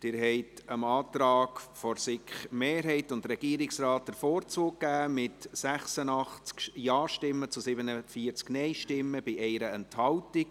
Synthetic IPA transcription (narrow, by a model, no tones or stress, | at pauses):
d̥ɪɾɦɛɪtəmɑːt̪ɾɑːkfɔɾsɪχmeːɾɦɛɪtʊndɾɛɡ̥iːɾɪksrɑːt̚dəɾfoːɾt͡suːkːæːmɪtsæχsənɑχt͡skjɑːʃtɪmːət͡sʊsɪbənəfiːəɾt͡sknɛɪʃtɪmːəb̥ɪʔɛɪɾəɛnthɑltɪk̚